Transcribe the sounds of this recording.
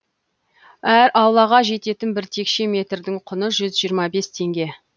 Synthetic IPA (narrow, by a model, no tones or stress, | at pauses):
æɾʔɑwlˠɑʁɑʒe̞t̪e̞t̪ɪnbɪɾt̪ʰe̞kʃe̞mʲe̞t̪ɾd̪ɪɴqʰʊnəʒʏzʒijəɾmɑbe̞st̪ʰe̞ŋɡʲe̞